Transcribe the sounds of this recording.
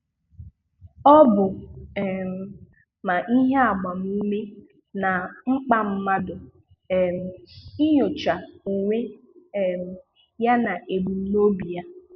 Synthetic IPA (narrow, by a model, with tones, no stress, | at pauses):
ɔ˦bʊ˨ | ma˨ʔi˦ɦe˦a˨ɡ͡ba˨m˦u˦me˦ | na˨ŋ͡m̩˦k͡pa˦m̩˦ma˦dʊ˨ | m̩˨i˦ɲo˨t͡ʃa˨u˨ŋʷe˦˨ | m̩˨ | ja˦na˨ʔe˨bu˨n̩˦n˦o˦bi˨ja˦